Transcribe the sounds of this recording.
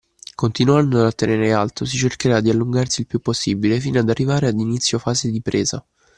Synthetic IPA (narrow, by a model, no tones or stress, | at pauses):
kont̪inuand̪oat̪ːeneːɾealt̪os̬it͡ʃerkeɾad̪ialːuŋɡarsiːlpjupːosːiːbilefiːnad̪arːivaːɾead̪init̪sːjofaːzed̪ipɾʔeːza̰